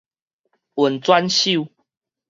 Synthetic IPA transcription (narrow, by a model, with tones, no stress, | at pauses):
wə˨˩nt͡swa˦nɕi˥˨